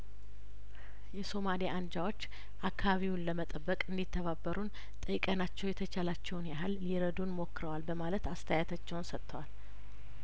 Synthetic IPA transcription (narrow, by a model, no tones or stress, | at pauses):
jɛso̞maliʔand͡ʒawo̞t͡ʃː | ʔakʰːaβaβiwunləmət̪ʼəbːəkʼɨnd̪it̪ʰːəβabːəɾun | t̪ʼəjkʼənat͡ʃːɛwjɛt̪ʰət͡ʃʰalat͡ʃːɛwnjaɦɨlːiɾəd̪unmo̞kːɾəwalbəmalət̪ast̪ʰəjat̪ʰat͡ʃːɛwnsət̪ʰːəwal